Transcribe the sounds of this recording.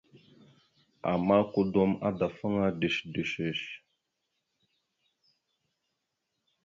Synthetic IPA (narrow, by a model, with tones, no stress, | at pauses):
a̰˨ma˦ku˦dɔ˦ma̰˦da˨fə˦ŋa˦di˨ʃdi˨ʃə˨ʃ